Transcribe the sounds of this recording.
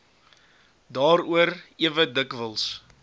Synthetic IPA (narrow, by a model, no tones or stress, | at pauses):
dɑːɾuəɾiəvədəkvəlˠs